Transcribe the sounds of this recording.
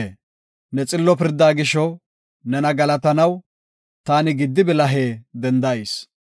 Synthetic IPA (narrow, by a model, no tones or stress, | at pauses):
e | nɛt͡sʼɪlːɔpɪɾd̪ːaːɡɪʃɔ | nɛnɐɡɐlɐt̪ɐnɐw | t̪aːnɪɡɪd̪ːɪbɪlɐɦeːd̪ɛnd̪ɐes